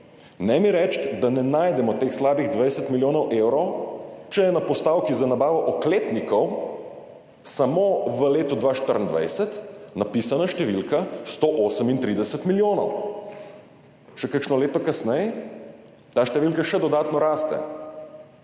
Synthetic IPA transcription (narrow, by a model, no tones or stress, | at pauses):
nɛmiɾɛt͡ʃt̪d̪anɛnaːjd̪ɛmɔt̪eːxslaːbiɣd̪ʋajsɛt̪miljoːnɔwʔewɾɔwt͡ʃɛjɛnapɔst̪awkizanabaːʋɔʔɔkleːpnikɔw | samoʋəleːt̪ɔd̪ʋaʃt̪əɾənd̪ʋa̰jsɛt̪napiːsanaʃt̪ɛʋilkast̪oʔoːsəmint̪ɾid̪ɛsɛt̪miljoːnɔw | ʃɛkəkʃnɔleːt̪ɔkasnɛjɛ | t̪aːʃt̪ɛʋilkaʃɛd̪ɔd̪aːt̪nɔɾaːst̪ɛ̰